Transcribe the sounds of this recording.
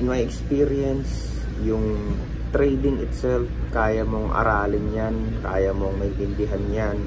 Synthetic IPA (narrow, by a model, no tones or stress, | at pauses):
ɪnmajɛkspiːɾɛns | jʊŋ | t̪ɾɛjd̪ɪŋɪt̪sɛlfkaːjaɐmoŋʔɐ̰ɾaːlɪnjan | ka̰ːjɐmoŋmɐɡʔɪnd̪ɪɦanjan